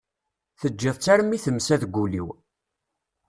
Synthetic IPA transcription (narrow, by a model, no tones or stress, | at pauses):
θəd͡ʒːɪðˤt͡sːæɾmːiθəmːsæðɡʷːulḭw